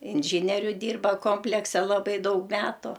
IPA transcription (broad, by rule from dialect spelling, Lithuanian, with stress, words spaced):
ɪnʲˈʒʲiːnʲɛrʲʊ ˈdʲiːrbɐ ˈkoːmʲpʲlʲɛksʲɛ lˠɐˈbɐɪ ˈdɐʊk ˈmʲæːtʊ